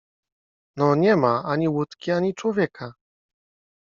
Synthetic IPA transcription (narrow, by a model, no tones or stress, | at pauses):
nɔɲɛmaaɲiwut̪kʲiaɲit͡ʂwɔvʲjɛkʰa